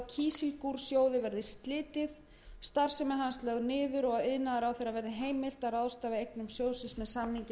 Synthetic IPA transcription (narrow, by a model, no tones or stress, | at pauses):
cʰiːsɪlkuɾ̥sjoːwðɪvɛɾðɪst̪lɪːt̪ɪð | st̪ar̥sɛmɛðɦanslœɣnɪːðʏɾɔɣaðɪðnaðaɾawθejɾaðvɛɾðɪɦeːjmɪl̥t̪araðst̪aːvɪejknʏmsjoːwsɪnsmɛðsamniɲc